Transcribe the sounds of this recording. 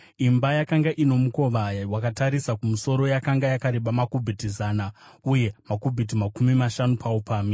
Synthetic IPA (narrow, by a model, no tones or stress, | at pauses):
imbajakaŋɡaʔino̞muko̞ʋawakataɾisakumuso̞ɾo̞jakaŋɡajakaɾeɓamakubʱitizaːna | uje̞makubʱit̬imakumimaʃanupʰaupaːmi